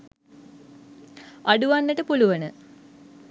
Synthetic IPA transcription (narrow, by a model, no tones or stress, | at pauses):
aɖuʋanːəʈəpuluʋənə